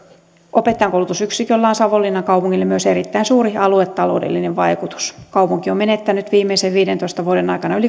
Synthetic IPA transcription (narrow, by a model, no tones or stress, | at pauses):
ʔopet̪ːɑjɑŋkowlut̪usyksikølːɑːnsɑʋolːinːɑŋkɑupuŋːilːemyøseɾit̪ːæinsuːɾiɑluet̪ːɑlo̞̰udḛlːineʋʋɑikut̪u̥skɑupuŋkio̞menet̪ːænyt̪ʋiːmːeiseʋʋiːdent̪oist̪ɑʋuodenɑikɑnɑyli